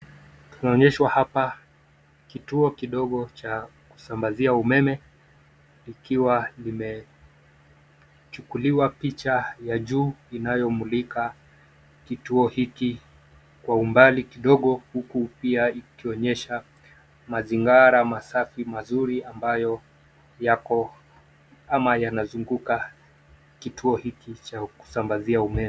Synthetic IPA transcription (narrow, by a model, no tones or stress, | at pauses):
tu̥naɔɲɛʃwahapa | kituɔkiɗɔɠɔt͡ʃaku̥sambaziaumɛmɛ | likiwalimɛ | t͡ʃukuliwapit͡ʃajaʄuːinajɔmulika | kituɔhiki | kwaumbalikiɗɔɠɔhukupiaikiɔɲɛʃa | maziŋɡaɾamasafimazuɾiambajɔ | jakɔ | amajanazuŋɡuka | kitʰuɔhikit͡ʃaku̥sambaziaumɛmɛ